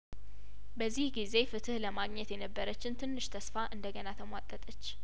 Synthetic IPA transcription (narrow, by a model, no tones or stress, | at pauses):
bəzːihɡize̞fɨt̪ʰɨhləmaɡɲɛt̪jɛnəbːəɾət͡ʃːɪnt̪ʰɨnːɨʃt̪ʰəsfaʔɨnd̪əɡənat̪ʰəmwat̪ʼːət̪ʼət͡ʃː